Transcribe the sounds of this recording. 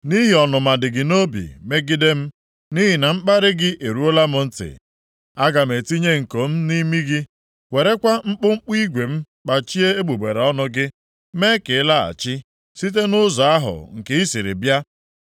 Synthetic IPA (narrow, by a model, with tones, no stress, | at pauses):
ni˦ɦi˨ɔ˨nʊ˨ma˨dɪ˨ɡɪ˨no˦bḭ˨me˦ɡɪ˦de˦m̩˦ | ni˦ɦi˨na˨ŋ͡m̩˦k͡pa˦ɾɪ˦ɡɪ˦ʔe˨ɾu˦o˦la˦mʊ˦n̩˦tɪ̰˨ | a˦ɡa˨m̩˨e˨ti˦ɲe˦ŋ̩˨ko˨m̩˦ni˦mi˦ɡɪ˦ | we˨ɾe˦kʷa˦ŋ͡m̩˦k͡pʊ˦ŋ͡m̩˦k͡pi˦ɡʷe˨m̩˦ | k͡pa˨t͡ʃi˦e˦e˦ɡ͡bu˨be˨ɾe˨ɔ˦nʊ˦ɡɪ˦ | me˦ke˨˦la˦a̰˨t͡ʃɪ˦ | si˦t̬e˦nʊ˦zɔ˨a˦ɦʊ̰˨ŋ̩˨ke˦i˦si˨ɾɪ̰˨bja˦